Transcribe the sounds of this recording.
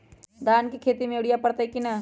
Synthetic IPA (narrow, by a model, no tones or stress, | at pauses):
d̪ʱaːnkikʰeːt̪imẽʊɽijapɐɽt̪aikina